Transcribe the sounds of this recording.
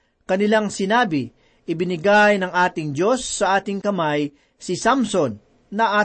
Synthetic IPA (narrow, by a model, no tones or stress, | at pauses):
kɐnɪlaŋsɪnaːbɪ | ʔɪbɪnɪɡajnɐŋʔaːt̪ɪŋd͡ʒo̞sːɐʔaːt̪ɪŋkɐmaj | sɪsamsonː | ɐʔa